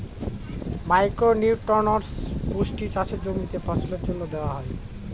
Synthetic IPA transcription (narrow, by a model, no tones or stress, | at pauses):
majkɾoniwʈɔɾnaɾsbʱusʈit͡ʃasʰed͡ʑoɡnit̪epɔt͡ɕʰoleɾd͡ʑonːod̪eoaɦɔe